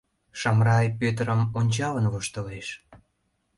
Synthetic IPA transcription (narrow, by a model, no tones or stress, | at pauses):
ʃɑmrɑjpøt̪ɾəmonʲt͡ɕɑlənvoʃt̪əleʃ